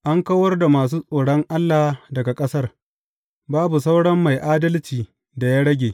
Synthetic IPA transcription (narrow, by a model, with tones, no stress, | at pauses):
ʔa˦ŋkɐ˦wɐ˦rda˨maː˨s̬uː˦sʼoː˨ɽɐ˦ŋʔa˦lːaː˨hdɐ˨ɡa˨kʼɐ˦sɐ˦r | baː˦bu˨sa˦wɽɐ˦mːa˨jʔaː˦dɐ˦lt͡ʃiː˨ | da˨jaː˦ɽɐ˦ɡʲeː˨